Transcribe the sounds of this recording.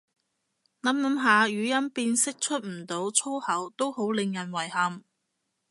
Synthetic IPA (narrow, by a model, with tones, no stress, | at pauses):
nɐ˨˥mnɐ˨˥mɦaː˨˧jyː˨˧˥jɐ˥npiː˧nsɪ˥k̚t͡ʃʰɵ˥t̚m̩˨˩t̪o˨˥wt͡sʰo˥whɐ˨˥wt̪o˥who˨˥wlɪ˨ŋjɐ˨˩nwɐ˨˩jhɐ˨m